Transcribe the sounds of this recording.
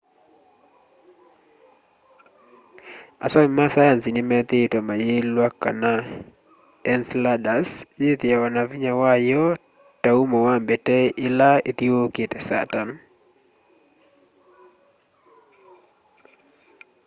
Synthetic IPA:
a̰sɔŋmasajansinɪmɛt̪ɪtomajelwakːa̰na | ɛnsladasjet̪ɪawanaviɲawajɔ | taumɔwambetɛɪlaet̪ioketɛsa̰tan

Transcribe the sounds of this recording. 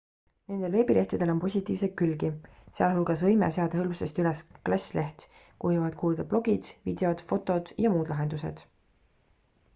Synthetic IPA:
ne̞nd̪̥e̞lve̞ːbilʔe̞ht̪ud̪̥e̞lo̞mpo̞sʲit̪ːˑiːvsek̪̚kylɡiseɑlɦulɡ̥ɑsvɤjmeseɑd̪ɑhɤlmsest̪ylesklɑsʲlʔe̞ht̪ | kujuvɑd̪̥kuːld̪ɑb̥lo̞ɡid̪̥vid̪̥e̞o̞d̪̥fo̞t̪ːˑo̞d̪̥jɑmuːd̪̥lɑɦe̞nd̪̥use̞̰d̪̥

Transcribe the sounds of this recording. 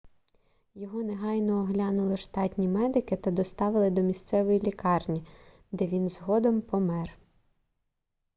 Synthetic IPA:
jɔɦɔneɦɑjnɔːɦlʲɑnʊlˠɪʃt̪ɑtʲnʲimɛd̪ɪkɪt̪ɐd̪ɔst̪ɑʋɪlˠɪd̪ɔmʲist̪sɛʋɔjilʲikɑrnʲi | d̪ɛʋʲinzɦɔd̪ɔmpɔmɛr

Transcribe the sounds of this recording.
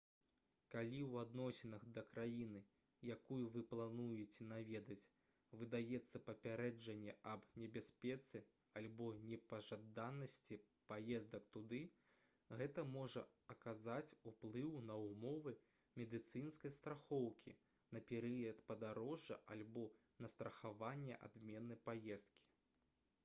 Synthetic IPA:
kalʲiwad̪nɔsʲɛnɐɣd̪ɐkɾajinɨ | jakujuvɨplˠanujɛt͡sʲɛnavʲɛd̪ɐt͡sʲ | vɨd̪ajɛt̪sːɐpɐpʲaɾɛd͡ʐɐnʲːɛʔɐbnʲɛbʲasʲpʲɛt̪sɨ | alʲbɔnʲɛpɐʐad̪anɐsʲt͡sʲi | pajɛzd̪ɐk̚t̪ud̪ɨ | ɣɛt̪ɐmɔʐɐ̰ɐkazat͡sʲuplˠɨwnɐwmɔvɨ | mʲɛd̪ɨt̪sɨnskɐjst̪ɾaxɔwkʲʰḭ | nɐpʲɛɾɨjɐt̪pɐd̪aɾɔʐːɐ̰ʔalʲbɔ | nɐst̪ɾɐxavanʲːɛ̰ʔa̰d̪mʲɛnːɐjpajɛst̪̚kʲi̥

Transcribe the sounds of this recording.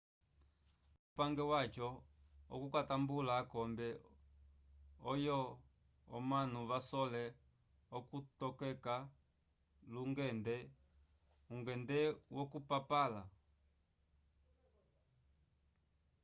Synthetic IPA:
upaŋɡɛwat͡ʃɔɔ̰kukatambulaːkɔmbɛ | ɔjɔ | ɔ̰manuβasɔlɛ | ɔkutɔkɛka | luŋɡɛndɛ | uŋɡɛndɛwɔkupapala

